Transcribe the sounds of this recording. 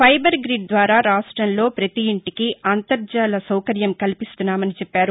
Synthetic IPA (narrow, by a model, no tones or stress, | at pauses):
pʰɐjbɐɾɡɾiɖ̚d̪ʋaːɾaːɾaːʂʈɾɐnlo̞ːpɾɐt̪iːɳʈikiʔant̪ɐɾd͡ʒaːlɐsɐwkɐɾjɐmkɐlipist̪unːaːmɐnit͡ʃɛpːaːɾu